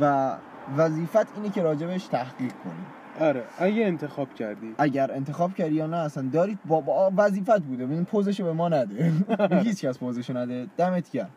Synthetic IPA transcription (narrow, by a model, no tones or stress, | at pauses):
væ | væziːfæt̪ʰiːnecʰe̞ɾɒːd͡ʒe̞beʃt̪ʰæhɡiːʁkʰo̞̰nḭː | ɒɾeʔæɟeːnt̪ʰexɒːb̥cʰæɾd̪iːʔæɟæɾent̪ʰexɒːb̥cʰæɾd̪ijɒːnæːsænd̪ɒːɾiːd̪̚bɒbvæziːfæt̪̚buːd̪eeinipʰozeʃebemɒːnæd̪ehiːt͡ʃcæspozeʃenæd̪ed̪̥æmet̪ʰcæɾ